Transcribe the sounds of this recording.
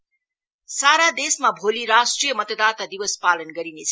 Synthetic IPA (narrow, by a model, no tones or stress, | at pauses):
saɾad̪esmabʱoliɾasʈrijʌmʌt̪ʌd̪art̪ad̪iwʌspalʌnɡʌɾinet͡sʰ